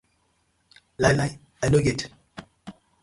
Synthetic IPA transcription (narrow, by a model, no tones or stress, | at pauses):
lajlaj | ɛnoɡet